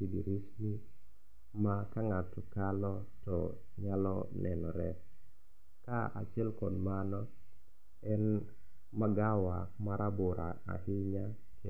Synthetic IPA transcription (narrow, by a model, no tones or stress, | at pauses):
kidiɾisni | makaŋatɔkalɔ | tɔ | ɲalɔnʔɛnɔ̰ɾɛ | kaa̰t͡ʃɛlkɔdmanɔ | ɛn | maɡawamaɾʔabʊɾa̰a̰ɦɪɲa | kɛ